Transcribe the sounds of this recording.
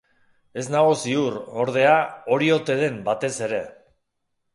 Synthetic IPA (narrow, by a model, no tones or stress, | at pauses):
e̞znaɣ̞usiuro̞ɾð̞e̞ao̞ɾio̞t̪e̞ð̞e̞mbat̪e̞se̞ɾe̞